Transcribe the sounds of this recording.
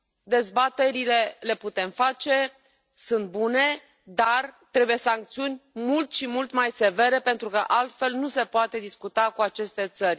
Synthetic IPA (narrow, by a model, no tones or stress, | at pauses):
d̪e̞zbat̪e̞ɾile̞le̞put̪e̞mfat͡ʃe̞ | sunt̪̚bune̞ | d̪art̪ɾebuje̞saŋk̚t̪siunʲmult̪ʃimult̪majse̞ve̞ɾe̞pe̞nt̪ɾukəʔalt̪fe̞lnuse̞poat̪e̞d̪iskut̪akuat͡ʃe̞st̪e̞t̪sərʲ